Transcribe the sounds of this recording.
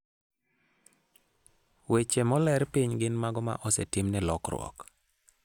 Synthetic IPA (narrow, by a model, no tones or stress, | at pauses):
wet͡ʃemɔlɛɾpiɲɡɪnmaɡɔma̰ʔɔsɛtɪmnɛlɔkrwɔ̰k